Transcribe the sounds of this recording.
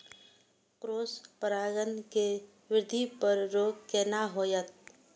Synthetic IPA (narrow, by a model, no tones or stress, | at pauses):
kɾoːspəɾaːɡənke | ʋɪɾd̪ʱipəɾɾoːɡkeːnaɦoːjət̪̚